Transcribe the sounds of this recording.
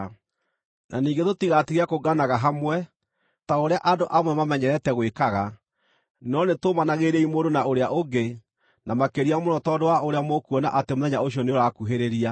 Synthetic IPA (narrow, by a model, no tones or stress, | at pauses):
nʔa̰niːŋɡetotiɣatiɣakoɡanaɣaɦamwɛ | taoɾeaʔadoʔamwɛmamɛɲɛɾɛtɛɣwekaɣa | nɔnetomanaɣeɾeimodonaoɾeaʔoɡe | namakeɾiamonɔtɔːdowaoɾeamokuɔna̰ʔatemoðɛɲaoɕiɔneɾakuɦeɾeɾia